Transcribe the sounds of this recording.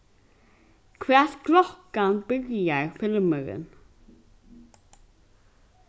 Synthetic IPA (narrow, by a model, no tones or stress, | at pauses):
kʰʋæːklɔkɑnbʏɾjəɹfɪlmœɾə̰n